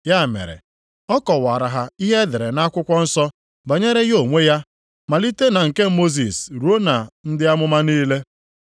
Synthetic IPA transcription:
ja˦˨mḛ˨ɾḛ˨ | ɔ˦kɔ˨wa˨ɾa˨ɦa˨i˦ɦe˦dɪ˨ɾe˨na˦kʷʊ˦kʷɔ˦n̩˦sɔ˦ | ba˨ɲe˦ɾe˦ɣo˨ŋʷe˦ja˦ | ma˨li˦te˦na˨ŋ̩˨ke˦mo˦z̬i˨sɾu˨˦o˦na˨n̩˦dɪ˦a˦mʊ˦ma˦niː˦le˦

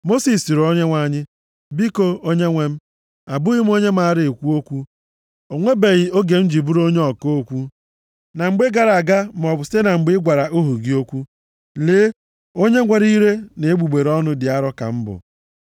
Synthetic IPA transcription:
mo˦si˨si˨ɾo˦ɲe˦ŋʷa˨ɲɪ˦ | bi˦ko˦o˦ɲe˦ŋʷe˦m̩˦ | a˨bʊ˦ɣɪ˦m̩˦o˦ɲe˦m̩˦a˨˦˨ɾɪ˨e˨kʷu˦o˦kʷu˦ | o˨ŋʷe˦be˨ɣɪ˨o˦ɡe˨m̩˦d͡ʒi˨bu˦ɾo˦ɲe˦ɔ˨ko˦o˦kʷu˦ | na˨ŋ͡m̩˨ɡ͡be˦ɡa˨ɾa˨ɡa˦m̩˨ɔ˨bʊ˨si̥˦te˦na˨ŋ͡m̩˨ɡ͡bɪ˦ɡʷa˨ɾa˨ʔo˦ɦu˨ɡi˦o˦kʷu˦ | leː˨˦ | o˦ɲe˦ŋʷe˨ɾi˦ɾe˦ne˨e˦ɡ͡bu˨ɡ͡be˨ɾɔ˦nʊ˦dɪ˨a˦ɾɔ˦ka̰˨m̩˦bʊ̰˨

